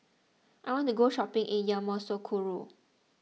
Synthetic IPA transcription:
ʔajwɔ̃ntuɡoʃɔpɪ̃ŋʔĩnjãmɔsokʰuɹu

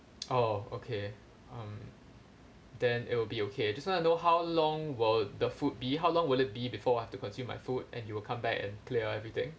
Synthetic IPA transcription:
ʔookʰe | ʌ̃m | d̪ɛ̃nɪ̰t̚wɪlbiokʰeajd͡ʒaswɔ̃ntunoɦawlɔ̃ŋwɪldəfut̚biɦawlɔ̃ŋwɪlɪt̚bibifɔajhɛftukɔ̃nsjũmːa̰jfut̚ʔɛ̰̃njuwɪlkʰãmbɛkɛ̰̃nkʰleəɛvɹit̪ɪ̰̃ŋ

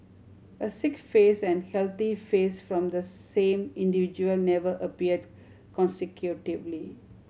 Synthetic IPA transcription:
əsɪkfeːsɛ̃nhɛlt̪ifeːsfɾɔ̃md̪əsẽːmɪ̃nɖiʋɪd͡ʒuəlnɛʋəʔəpiəɖ | kɔ̃nsɪkʰjuʈɪʋli

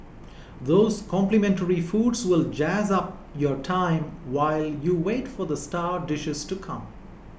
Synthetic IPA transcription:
ðoːz̥kʰɔ̃mplɨmɛ̃nʈəɹifuːɖswɪld͡ʒæzʌp̚ | jɔɾʈʰãɪ̃mwaɪljuweːʈfɔd̪əsʈaːɖɪʃɪz̥ʈukʰʌ̃m

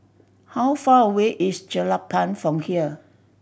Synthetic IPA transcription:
hawfaəweʔisd͡ʒəlapʰãnfɹɔ̃mhiə

